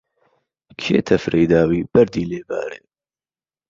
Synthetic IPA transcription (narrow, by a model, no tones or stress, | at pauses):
kʰeːt̪ʰɐfɾʔejd̪aːwiːb̥ɐɾd̪iːleːba̰ːɾḛː